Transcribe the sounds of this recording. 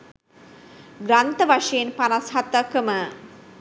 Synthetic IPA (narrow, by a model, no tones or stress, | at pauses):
ɡɾant̪əʋaʂejenpanasɦat̪əkəmə